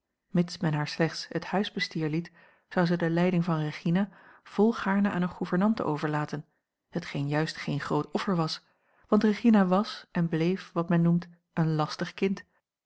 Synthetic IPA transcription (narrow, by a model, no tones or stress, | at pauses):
mɪtsmɛnɦaːɹslɛχtshəthœɥzbəstiːɹlit | z̥ɑwzədəlɛjdɪŋvɑnreχinav̥ɔlˠχaːɹnəʔaːnəχuvəɹnɑntə̰ʔowvəɹlaːtən | hətχejnjœɥstχejnχrowtɔfəɹʋɑs | ʋɑntrəχinaʋɑsʔɛnblejfʋɑtmɛnːumt | ənlɑstəχkɪnt